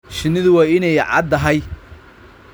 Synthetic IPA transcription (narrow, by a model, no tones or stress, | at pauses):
ʃɪnɪðʊwɐɪnɛjʕɑ̰d̪ɐɦɐj